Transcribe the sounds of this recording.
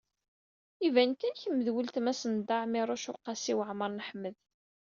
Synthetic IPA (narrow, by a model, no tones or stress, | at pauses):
ivænkænçəmːəðwəlt̪mæsənd̪aʕmɪɾˤʊʃʊqːɑsiwəʕməɾˤnəħmːəð